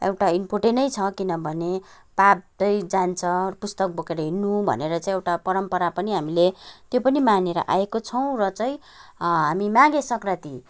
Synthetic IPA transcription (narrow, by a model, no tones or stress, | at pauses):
ḛwʈaimpoʈenʌjt͡sʰʌkinʌbʱʌne | pab̚t̪ʌjd͡zant͡sʰʌpust̪ʌk̚bʱokeɾʌɦinːubʱʌ̰neɾʌt͡saĩewʈapʌɾʌmpʌɾapʌniɦamilet̪jopʌnimaneɾʌ̰ʔa̰ekot͡sʰʌw̃rʌt͡saĩ | ɦamimãɡesʌkrat̪i